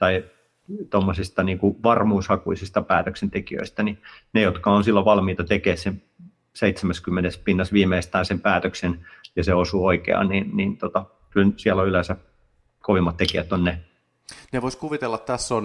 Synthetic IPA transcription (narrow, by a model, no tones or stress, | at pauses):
t̪ɑi | t̪omːosist̪ɑniːŋkuʋɑrmuːshɑkuisist̪ɑpæːt̪øksent̪ekiø̰ist̪æninejot̪kɑonsilːoʋʋɑlmiːt̪ɑt̪ekeːssen | seit̪semæskymːenespinːɑsʋiːmeist̪æːnsempæːt̪øksenjɑseosuoikḛɑ̰nninniːnt̪ot̪ɑ | kylsiæloylesæ | koʋimːɑt̪t̪ekiæt̪ːonne | neʋoiskuʋit̪elːɑt̪t̪æsːon